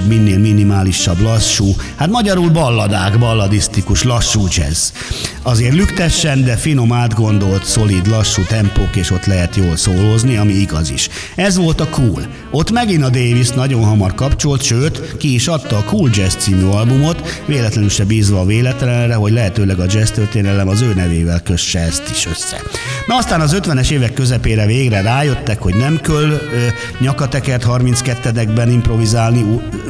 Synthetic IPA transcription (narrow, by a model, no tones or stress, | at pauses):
minːeːlminimaːliʃːɒblɒʃːuːhat̪mɒɟɒɾuːlbɒlːɒd̪aːɡbɒlːɒd̪ist̪ikuʃlɒʃːuːd͡ʒɛ̰z | ɒzeːrlykt̪ɛʃːɛnd̪ɛfino̞maːd̪ɡo̞n̪d̪o̞lt̪so̞liːd̪lɒʃːuːt̪ɛmpoːkeːʃo̞t̪lɛɦɛt̪joːlsoːlozniɒmiiɡɒzḭʃ | ɛzʋo̞lt̪ɒkuːl | o̞t̪mɛɡinɒd̪eːvist̪nɒɟo̞nɦɒmɒrkɒpt͡ʃo̞lt̪ʃøːt̪kiːʃɒt̪ːɒːkuːld͡ʒɛst̪siːmyɒlbumo̞t̪ʋeːlɛt̪lɛnylʃɛbiːzʋɒːveːlɛt̪ɛlɛrɛɦo̞ɟlɛɦɛt̪øːlɛɡɒd͡ʒɛst̪ørt̪eːnɛlɛmɒzøːnɛveːvɛlkøʃːɛɛst̪iʃø̞̰sːɛ̰nɒɒst̪aːnɒzø̞t̪ʋɛnɛʃeːvɛkːøzɛpeːɾɛveːɡrɛraːjø̞t̪ːɛkho̞ɟnɛmkøl | ɲɒkɒt̪ɛkɛrt̪hɒrminskɛt̪ːɛd̪ɛɡbɛnimpro̞vizaːlni